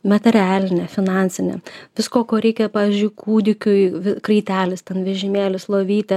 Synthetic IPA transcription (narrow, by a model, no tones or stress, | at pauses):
mʲɐt̪ʲɛɾʲæːlʲɪnʲɛfʲɪnɑnʲsʲɪnʲḛʋʲɪskoːkoːɾʲɛɪkʲɛpɑːʋʲɪzʲd͡ʒʲʊɪkʰuːd̪ʲɪkʲʊjʋʲɪkɾɐɪt̪ʲæːlʲɪst̪ʲɛnʋʲɛʒʲɪmʲeːlʲɪslˠoːʋʲiːt̪ʲɪ